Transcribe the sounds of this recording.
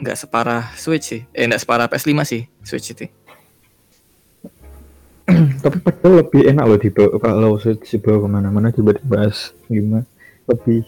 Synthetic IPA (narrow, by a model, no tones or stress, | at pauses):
ŋɡa̰ʔsə̥paɾaswɪt͡ʃsɪhʔeŋdaʔsə̥paɾapeʔɛslimasɪhswɪ̰t͡ʃit̪i | t̪apipad̥aləb̥ɪhenaʔlod̪̥ib̥awkaʔlowswɪt͡ʃd̥ib̥awakəmanamanad̪ibad̪ibaʔas | lima | ləb̥ɪh